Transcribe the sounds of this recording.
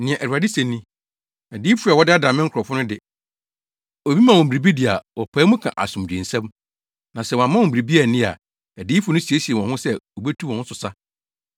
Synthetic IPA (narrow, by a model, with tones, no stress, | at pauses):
nɪ̃˨ɛ̃˨ʔɛ˨u˨a˨dɪ˦sɛ̃˨nːĩ˦ | æ˨diː˦fu˦a˨wɔ˦dɪ˦a˦dã˨mɪ̃˦ŋ̩˦kʰɾɔ˨fʊ˦nʊ̃˦dɪ˦ | ɔ˨bi˦mã˨wɔ̃˨m˨bi˨ɾi˨bi˦dɪ˨a˨wɔ˨pʰaː˨˦mʊ̃˦kʰã̰˨ʔa̰˨sʊ̃˨md͡ʑᶣĩ˨n̩˨sɛ̃˦m | nã˨sɛ˦wɔ̃˨ã˨mã˦wɔ̃˨bi˨ɾi˨bi˦a˨nɪ̃˦a̰˨ | æ˨diː˦fʊ˦nʊ̃˦si˨e˦si˨e˨wɔ̃˨hʊ̃˦sɛ˦o˨bɛ˦tʰu˦wɔ̃˨hʊ̃˦sʊ˨sa˦